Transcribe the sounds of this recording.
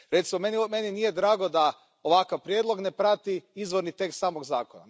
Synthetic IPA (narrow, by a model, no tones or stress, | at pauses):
ɾe̞t̪simomenme̞ninijed̪ɾaːɡo̞d̪a | o̞ʋakaʋpɾjed̪lˠo̞ɡne̞pɾat̪iizʋo̞ɾnit̪e̞kst̪saːmoɡzaːkona̰